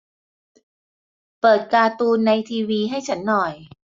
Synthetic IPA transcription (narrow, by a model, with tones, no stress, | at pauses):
pɤː˨˩t̪̚kaː˧t̪uː˧nːa˧jt̪ʰiː˧wiː˧ɦa˥˩jt͡ɕʰa˦˥nːɔ˨˩j